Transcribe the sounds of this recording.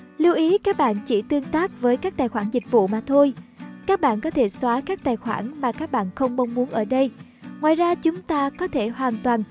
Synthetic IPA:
li˧wʔi˨˦kaː˦˥k̚ɓa̰ː˧˨nt͡ɕi˧˩t̪ɨ˧əŋt̪aː˦˥k̚vəː˨˦jkaː˦˥k̚t̪aː˨˩jxwaː˧˩nzï˨˩k̟̚vṵ˧˨maː˨˩t̪ʰo˧jkaː˦˥k̚ɓa̰ː˧˨nkɔ˨˦t̪ʰe˧˩swaː˨˦kaː˦˥k̚t̪aː˨˩jxwa̰ː˧˩nmaː˨˩kaː˦˥k̚ɓa̰ː˧˨nxə˧wŋ͡mɓə˧wŋ͡mmu˨˦nʔəː˧˩ɗə˧j | ŋwaː˨jzaː˧t͡ɕʊ˨˦ŋ͡mt̪aː˧kɔ˨˦t̪ʰe˧˩hwaː˨˩nt̪waː˨˩n

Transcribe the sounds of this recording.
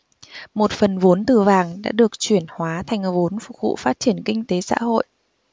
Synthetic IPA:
mo˨˩t̚fə˨˩nvo˨˦nt̪ɨ˨˩vaː˨˩ŋɗa̰ː˧˥ɗɨ˨˩ək̚t͡ɕwi˧˩ənhwaː˨˦t̪ʰa˨˩jŋ̟˨˩vo˨˦nfʊ˨˩k͡p̚vṵ˧˨faː˦˥t̚t͡ɕi˧˩ənkï˧ŋ̟t̪e˨˦sa̰ː˧˥ho̰˧˨jʔ

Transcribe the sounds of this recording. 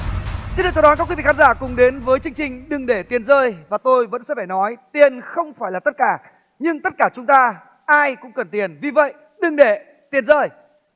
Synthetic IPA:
si˧nɗɨ˨˩t͡ɕɔ˧˨ɔ˨˦nkaː˦˥kwi˨˦vḭ˧˨˩ka˨˦˥zaː˧˩kʊ˨˩ŋ͡mɗe˨˦nvəː˨˦jt͡ɕɨ˧ŋt͡ɕï˨˩ŋ̟ɗɨ˨˩ŋɗe˧˩t̪i˨˩ənzəː˧jvaː˨˩t̪o˧jvə̰˧˥nsɛ̰˧˥faː˧˩jnɔ˨˦jt̪i˨˩ənxə˧wŋ͡mfaː˧˩jlaː˨˩t̪ə˦˥t̚kaː˧˩ | ɲɨ˧ŋt̪ə˦˥t̚kaː˧˩t͡ɕʊ˨˦ŋ͡mt̪aː˧ | ʔaː˧jkʊ̰˧˥ŋ͡mkə˨˩nt̪i˨˩ənvi˨˩və̰˧˨j | ɗɨ˨˩ŋɗe˧˩ | t̪i˨˩ənzəː˧˩j

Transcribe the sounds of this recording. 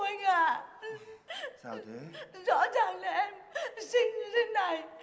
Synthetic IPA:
a˧jŋ̟ʔaː˨˩ | zɔ̰˧˥zaː˨˩ŋlaː˨˩ʔɛ˧msï˧ŋzi˧nna˨˩j

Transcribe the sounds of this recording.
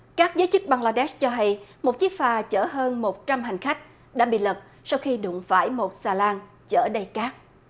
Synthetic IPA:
kaː˦˥k̚zəː˨˦jt͡ɕɨ˦˥k̚ɓa˧ŋlaː˧ɗɛ˦˥st͡ɕɔ˧ɦa˧jmo˨˩t̚t͡ɕi˦˥ək̚faː˨˩t͡ɕəː˧˩ɦəː˧nmo˨˩t̚t͡ɕa˧mɦa˨˩ŋ̟xa˦˥jk̟̚ | ɗa̰ː˧˥ɓḭ˧˨lə˨˩p̚ | sa˧wxi˧ɗʊ̰˧˩˨ŋ͡mfaː˧˩jmo˨˩t̚saː˧laː˧ŋ | t͡ɕəː˧˩ɗə˧jkaː˦˥k̚

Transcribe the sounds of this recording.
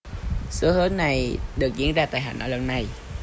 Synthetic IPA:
sɨ˨˦əhəː˨˦˥nna˨˩jɗɨ˨˩ək̚zḭ˧˥ənzaː˧t̪a̰ː˧˨jɦa̰ː˧˩nʔəː˧˩lə˧˩nna˨˩j

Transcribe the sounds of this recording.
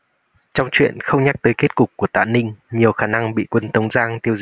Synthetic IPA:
t͡ɕɔ˧wŋ͡mt͡ɕwḭ˧˨ənxə˧wŋ͡mɲa˦˥k̚t̪əː˨˦jke˦˥t̚kʊ˨˩k͡p̚kːu˧˩ət̪a̰ː˧˨nï˧ŋ̟ɲi˨˩əwxaː˧˩na˧ŋɓḭ˧˨kwə˧nt̪ə˨˦wŋ͡mzaː˧ŋt̪i˧əwz

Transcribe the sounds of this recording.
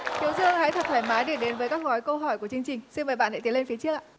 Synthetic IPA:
t̪ʰi˨˦əwzɨ˧əŋha̰ː˧˥jt̪ʰə˨˩t̚t̪ʰaː˧˩jmaː˨˦jɗi˧˩ɗe˨˦nvəː˨˦jkaː˦˥k̚ɣɔ˨˦jkə˧wɦɔ˧˩jku˧˩ət͡ɕɨ˧əŋt͡ɕï˨˩ŋ̟si˧nmvəː˨˩jɓa̰˧˨nha̰˧˥t̪i˨˦le˧nfi˨˦ət͡ɕɨ˦˥əʔa̰ː˧˨

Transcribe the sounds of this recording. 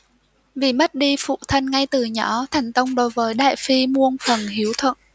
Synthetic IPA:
vḭ˨˧˩ma˦˥t̚ɗi˧fṵ˧˨t̪ʰə˧nŋa˧jt̪ɨ˨˩ɲɔ˨˦t̪ʰɛ˨˩jŋ̟t̪ə˧wŋ͡mɗo˨˦jvəː˨˦jɗa̰ː˧˨jfi˧mu˧ənfə˨˩nɦi˨˦əwt̪ʰwə̰˧˨nʔ

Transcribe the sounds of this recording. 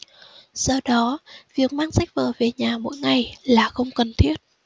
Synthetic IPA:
z̥ɔ˧ɗɔ˨˦vi˨˩ək̚maː˧ŋsa˦˥jk̚vəː˨˩ve˨˩ɲaː˨˩mo̰˧˥jŋa˨˩jlaː˨˩xə˧wŋ͡mkə˨˩nt̪ʰi˦˥ət̚

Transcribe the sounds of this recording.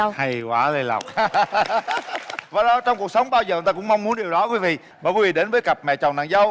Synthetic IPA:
ha˧jkwaː˨˦le˧la̰˨˩wk͡p̚ | vaː˨˩ɗɔ˨˧˦t͡ɕɔ˧wŋ͡mku˨˩ək̚sə˨˦wŋ͡mɓaː˧wzəː˨˩˨t̪aː˧kʊ̰˧˥ŋ͡mma˧wŋ͡mmu˨˦ənɗi˨˩əwɗɔ˨˦kwi˨˦vḭ˧˨ | maː˨˩kwvḭ˧˨ɗe˨˦nvəː˨˦jka˨˩p̚mɛ̰˧˨t͡ɕɔ˨˩ŋ͡mna̰ː˧˨nzə˧w

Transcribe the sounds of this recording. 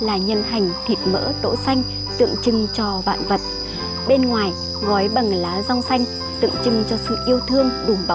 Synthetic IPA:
laː˨˩ɲə˧nt̪ʰa˨˩jŋ̟t̪ʰi˨˩t̚mə̰ː˧˥t̪o̰˧˥sa˧jŋ̟ | t̪ɨ̰˧˨əŋt͡ɕɨ˧ŋt͡ɕɔ˧ɓa̰ː˧˨nvə˨˩t̚ | ɓe˧nŋwaː˨˩j | ɣɔ˨˦jɓə˨˩ŋlaː˨˦za˧wŋ͡msa˧jŋ̟ | t̪ɨ̰˧˨əŋt͡ɕɨ˧ŋt͡ɕɔ˧sɨ̰˧˨ʔi˧əwt̪ʰɨ˧əŋɗu˨˩mɓa˨˦

